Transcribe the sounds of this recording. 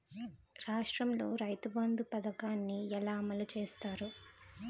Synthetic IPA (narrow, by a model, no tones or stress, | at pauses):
ɾaːʂʈɾɐmlo̞ːɾɐjt̪ɐbɐnd̪upɐd̪ɐkaːnːiɛlaːmɐlut͡ʃeːst̪aːɾu